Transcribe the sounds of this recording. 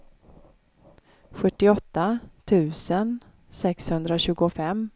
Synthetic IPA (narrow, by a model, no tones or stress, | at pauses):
ɧɵʈːɪɔt̪ːat̪ʰʉ̟ːsən | sɛkshɵnd̪ɾaɕʉ̟ːɡʊfɛm